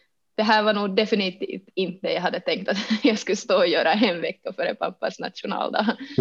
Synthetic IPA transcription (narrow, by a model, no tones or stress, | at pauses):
d̪̥ɛɦæːɾvɑɳuːɡ̚d̪ɛfɪnɪt̪ḭːft̪ɪnt̪d̪ɛjɑɦad̪ːət̪ʰɛŋk̚t̪at̪jɑːskɵst̪oːɔjøːɾaɛnvɛkːafœɾɛ̰pʰa̰pːa̰sna̰t̪ʃʊnɑ̰ːld̪ɑ̰